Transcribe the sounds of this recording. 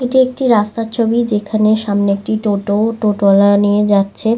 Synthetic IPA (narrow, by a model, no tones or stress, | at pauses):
eʈiek̚ʈiɾast̪at͡ɕʰobid͡ʑekʰaneʃamneek̚ʈiʈoʈoʈoʈɔlanijed͡ʑatːɕʰe